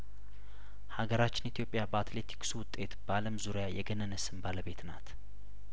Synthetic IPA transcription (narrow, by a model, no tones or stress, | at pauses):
haɡəɾat͡ʃːɪnit̪ʰjo̞pʼjabəat̪le̞t̪ʰi̥ksuwʊt̪ʼːe̞t̪baləmzuɾijajɛɡənənəsɨnbaləβet̪nat̪